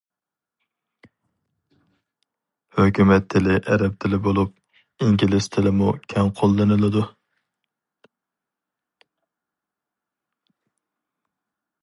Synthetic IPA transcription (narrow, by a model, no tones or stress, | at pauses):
høkʲymɛt̪ʰːɪlɪʔɛɾɛp̚t̪ʰɪlɪbolˠup̚ | iŋɡʲilɪz̥t̪ʰɪlɪmukʲʰɛŋqʰolˠːɨnɨlˠɨd̪u